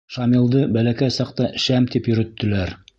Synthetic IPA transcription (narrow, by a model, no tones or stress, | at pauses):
ʃɑmilˠd̪ɤbælækæjsɑqt̪ɑʃæmt̪ipjɵ̆ɾɵ̆t̪ːɘ̆læɾ